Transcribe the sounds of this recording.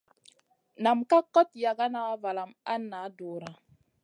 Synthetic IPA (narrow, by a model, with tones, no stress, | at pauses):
na˨mka˦kːɔ˦tja˨ɡa˦na˦va˨la˨ma˦nːa˨˦do˨ɾa˨